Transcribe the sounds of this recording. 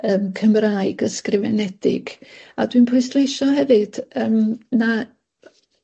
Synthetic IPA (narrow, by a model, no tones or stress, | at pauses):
əːmkʰəmraːɨɡəskrɪvɛnɛd̥ɪ̰ɡ̥a̰dwinpʰʊɨstlˠejʃɔɦɛvɨd̥əːmna